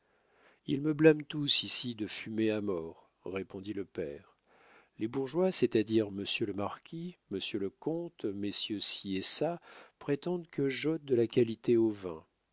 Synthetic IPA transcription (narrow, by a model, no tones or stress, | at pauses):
ḭlməblamt̪usisid̪əfymeamɔːʁː | epɔ̃d̪iləpɛːʁ | lebuʁʒwaset̪ad̪iʁməsjøləmaʁkʲʰiməsjøləkɔ̃t̪mesjøsiesapχet̪ɑ̃d̪kʰəʒɔt̪̚d̪əlakʲalit̪eovɛ̰̃